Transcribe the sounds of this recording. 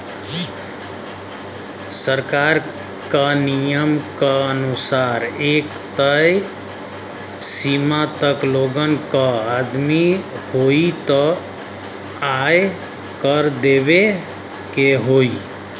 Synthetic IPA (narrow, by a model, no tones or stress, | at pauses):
səɾkaɾ | kanijəmkaənusaɾek | t̪əj | simat̪əkloɡənkəad̪mihoit̪ə | aj | kəɾd̪eβe | keɦoi